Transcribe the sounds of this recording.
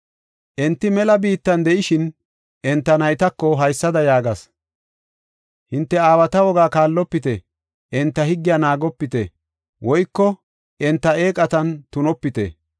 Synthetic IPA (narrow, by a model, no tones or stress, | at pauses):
ʔɛnt̪ːɪmɛlɐbiːt̪ːɐnd̪ɛʔɪʃɪn | ʔɛnt̪ːɐnɐjt̪ɐkːɔɦɐjsːɐd̪ɐjaːɡɐs | hɪnt̪ːɛaːwɐt̪ɐwɔɡaːkaːlːɔpːɪt̪ɛ | ʔɛnt̪ːɐhɪɡːɪjanaːɡɔpːɪt̪ɛ̰ | wɔjkːɔ | ɛnt̪ːɐeːkʼɐt̪ɐnt̪ʊnɔpːɪt̪ɛ̰